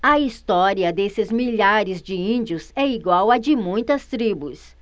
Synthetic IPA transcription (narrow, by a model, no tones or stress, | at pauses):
ɐist̪ɔɾiɐd̪esɪzmiʎaɾɪzd͡ʒɪĩd͡ʒiʊsɛiɡwawɐd͡ʒɪmũj̃t̪ɐst̪ɾibus